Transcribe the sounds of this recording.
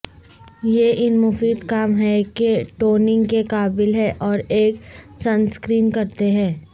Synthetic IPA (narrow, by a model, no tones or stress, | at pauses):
jeʔɪnmʊfiːd̪kaːmɦɛkeʈoːnɪ̃ŋɡkekaːbɪlɦɛʔɔːɾeːksɐnskɾiːnkɐɾt̪eɦɛ̃ː